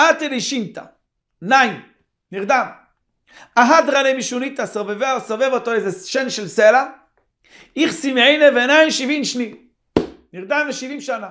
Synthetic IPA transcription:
at̪elijʃint̪a̰ | naim | niʁd̪am | aɦad̪ʁalemiʃunit̪asovevesovevot̪oezeʃenʃelsela | iχsimejnevenajmʃivimʃni | niʁd̪amveʃivimʃana

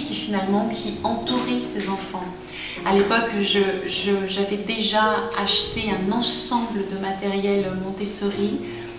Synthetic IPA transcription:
kʲifinalmɑ̃kʲʰiɑ̃t̪uʁisezɑ̃fɑ̃ | alepɔkʒəʒəʒavɛd̪eʒaaʃt̪eɛ̃nɑ̃sɑ̃bləd̪əmat̪ɛʁjɛlmɔ̃t̪esəʁi

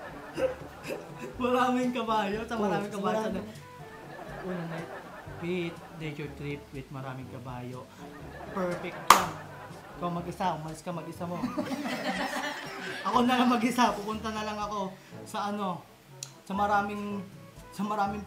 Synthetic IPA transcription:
mɐɾaːmɪŋkɐbaːjosɐmɐɾaːmɪŋkɐbaːjoɐd̪ɐ | ʔuːnɐnɛ | pɪt̪̚nɛjt͡ʃʊɹt̪ɾip̚wɪd̪̚mɐɾaːmɪŋkɐbaːjo | pɛɹfɛk̚t̪a | kɐmɐɡʔɪsamɐlskɐmɐɡʔɪsamo̞ | ʔɐko̞nɐlɐŋmɐɡɪsapʊpʊnt̪ɐnɐlɐŋɐko̞sɐʔɐno̞ | sɐmɐɾaːmɪŋ | sɐmɐɾaːmɪŋ

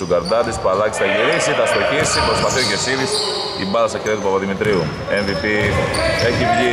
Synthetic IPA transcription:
uɡɐɾd̪ɐðispuɐlɐksi̥t̪ɐʝiɾisit̪ɐst̪ocisipɾospɐθiocesiðis | ḭbɐðɐsɐceðɐt̪upɐpɐðimit̪ɾiu | envipieçivʝi

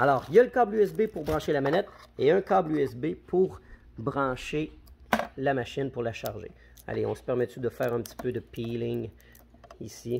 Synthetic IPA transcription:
alɔːʁiljaləkablyɛs̬bepuʁbʁɑ̃ʃelamanɛt̪eɛ̃kablyɛsbepʰuʁ | bʁɑ̃ːʃe | lamaʃɪnpʊʁlaʃa̰ʁʒḛ | a̰leɔ̃sə̥pɛʁmɛt̪yd̪əfɛːʁɛ̃p̚t̪i̥pød̪əpʰilɪŋ | isi

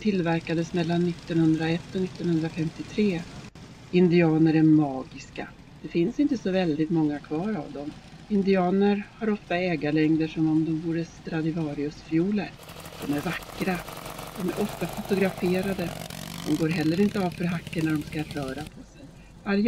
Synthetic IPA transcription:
t̪ʰɪlːvæɾkad̪əsmɛlːanːɪt̪ːɔnhɵnd̪ɾaɛt̪ːɔnɪt̪ːɔnhɵnd̪ɾafɛmt̪ɪt̪ʰɾeː | ɪnd̪ɪɑːnəɾæɾmɑːɡɪska̰ | d̪̥ɛfɪnsɪnt̪əsɔvɛld̪ɪt̪mɔŋːakʰvɑːɾa̰vd̪ɔm | ɪnd̪ɪɑːnəɾhaɾɔft̪ːaɛːɡaɭɛŋd̪əʂɔmɔmd̪ɔmvuːɾəst̪ɾad̪ɪvɑːɾɪɵsfjuːləɾ | d̪̥ɔmæɾvakːɾad̪̥ɔmæɾʔɔft̪afʊt̪ʊɡɾafeːɾad̪əd̪̥ɔmɡoːɾɦɛlːəɾɪnt̪əaːvfœɾɦakːəɳaɖɔmskaɾœːɾapʰɔsɛj | vaɾj

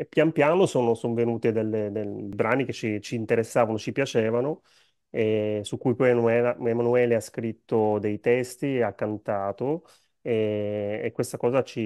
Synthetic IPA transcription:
pjampjaːnosoːnosoɱvenuːt̪ed̪elːed̪ebɾaːniket͡ʃːit͡ʃiːnt̪eɾesːaːvanot͡ʃipjat͡ʃɛːvano | esukːujpɔjnuɛːlaemanuɛːleaskɾit̪ːod̪ejt̪ɛst̪iakːant̪aːt̪o | eː | kːwest̪akɔːzat͡ʃi

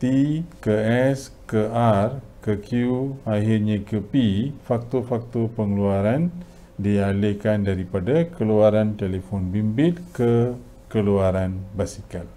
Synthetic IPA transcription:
t̪ikəɛs | kəarkəkjuaɦirɲãkəpifak̚t̪ofak̚t̪opəŋluaɾan | dialekandaɾipadakəluaɾant̪elefɔnbimbɪt̪̚kə | kəluaɾanbasikal

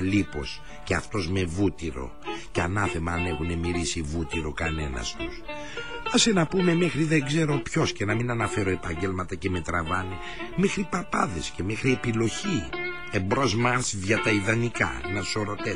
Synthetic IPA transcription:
lipo̞s | ceɐft̪o̞zme̞vut̪iɾo̞̰ | ceɐnɐθe̞mɐːne̞xune̞miɾisivut̪iɾo̞kɐne̞nɐ̰st̪us | ɐsenɐpume̞mexɾiðeŋɡze̞ɾo̞pço̞sce̞nɐminɐnɐfe̞ɾoe̞pɐɲɟe̞lmɐt̪ɐce̞me̞t̪ɾɐvɐne̞ | mexɾipɐpɐðe̞sce̞me̞xɾie̞pilo̞çi | embɾo̞zmɐɾsðʝɐt̪ɐiðɐnikɐ̰nɐ̥so̞ɾo̞t̪e

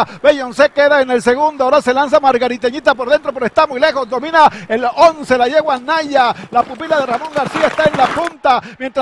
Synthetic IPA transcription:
bejonseke̞ðaene̞lse̞ɣund̪oaoɾase̞lans̬amaɾɣaɾit̪eɲit̪apoɾðe̞nt̪ɾo̞peɾoest̪amujle̞xo̞zd̪o̞mĩnaelonse̞laʝe̞ɣwanaʝalapupilaðe̞ramõ̞ŋɡaɾsiaest̪ae̞nlapunt̪amje̞nt̪ɾ

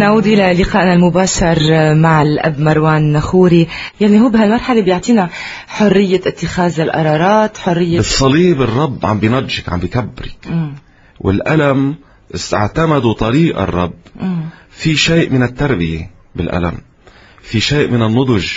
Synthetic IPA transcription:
naʕuːd̪ʔɪlalːɪqɑːʔnalmʊbaːʃɑɾˤmaʕɪlʔa̰bːmɑɾˤwaːnːaxuːɾijaʕniɦuːbɪɦalmɑɾˤħalebjʊʕt̪ˤiːna | ħʊrːɪjːaɪt̪ːɪxaːzɪlʔɑ̰ɾˤɑːɾˤɑːt̪ħʊrːɪjːasˤːɑliːbɨrˤːɑbːʕa̰mbjnɑdʒɪkʕa̰mbikabːɾɪkː | wʔɪ̰lʔalam | ʔɪst̪a̰ʕt̪amad̪ut̪ˤɑɾiːʔɪ̰rˤːɑbʔfiʃeːʔmɪnɪt̪ːɑɾˤbɪjḛ | bɪlʔa̰la̰m | fiʃeːʔmɪnɪnːʊd̪ˤʊʒ

